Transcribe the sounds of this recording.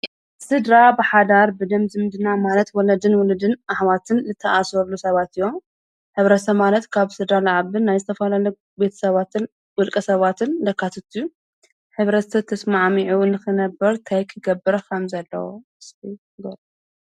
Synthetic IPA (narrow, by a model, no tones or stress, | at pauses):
sɨd̪ɾabɨħad̪aɾbɨd̪ɐmzɨmd̪ɨnamalɐt̪wɔlɐd̪ɨnwɔlɨd̪ɨnʔaħwat̪ʰɨnzɨt̪ʰːɐʔasɐɾlusɐβat̪ɨjːom | ħɨβɾɐtsɐmmalɐt̪kʰaβsɨd̪ɾalaʕaβɨnajzɨt̪ʰɐfɐlalɐ | be̞t̪ʰɐ̥sɐβat̪ʰɨn | wɨlkʼɐsɐβat̪ʰɨnlɐkʰːat̪ʰɐt̪ʰuju | ħɨβɾɐsɐt̪ʰːɐsmaʕmiʕunɨxɨnɐbːɐɾt̪ʰajkʰɨɡɐbɨɾkʰɐmzɐlːɐ̰wo̰ɨsbi | ɡɐɾ